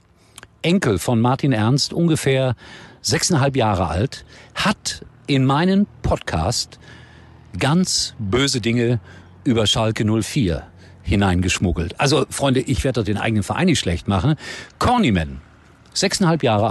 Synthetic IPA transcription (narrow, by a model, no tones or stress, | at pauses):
ʔɛŋkl̩fɔnmaɐtʰinʔɛɐnstʔʊnɡəfɛːɐzɛksnɦalp̬jaːʁəʔa̰lthat | ʔɪnmaɪnənpʰɔtkʰa̰ːst | ɡ̥ant͡sb̥øːzədɪŋə | ʔyːbɐʃalkənʊlfiːɐ | hɪnaɪnɡəʃmʊɡl̩tʔalzofʁ̥ɔʏndəʔɪçv̥eɐdədɔd̥eːnʔa̰ɪɡənənfɛɐʔa̰ɪnːɪçtʃlɛçtmaχn̩kʰɔɐnimɛn | z̥ɛksnhalpjaːʁə